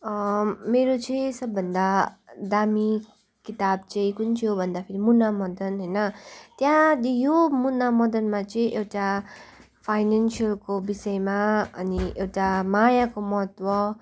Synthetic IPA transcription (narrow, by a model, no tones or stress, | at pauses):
ʌmeɾot͡sʌĩsʌbːʌnd̪ad̪ami | kit̪abt͡sʌ̃ĩkunt͡sʰijobʱʌnd̪apʰeɾimunamʌd̪ʌnɦʌjnʌt̪jãjomunːamʌd̪ʌnmat͡sʌĩʔewʈa | pʰajnansiʌlkobisʌemaʌniʔewʈamajakomʌɦʌt̪wʌ